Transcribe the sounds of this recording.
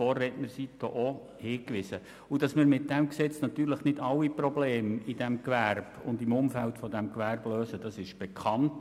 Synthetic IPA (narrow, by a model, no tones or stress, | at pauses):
ɔːɾɛtməɾsid̥o̰ʔɔ | hɪːkʋɪsə | ud̥ɑsməɾmɪt̚d̥ɛmksɛt͡snɑt̪yːɾləχnɪdɑwːiprɔbleːmid̥ɛmkʋærb̥ʊndɪmʊmfæltfɔdɛmkʋærbløːsəd̥ɑsɪʃb̥ɛkʰɑnt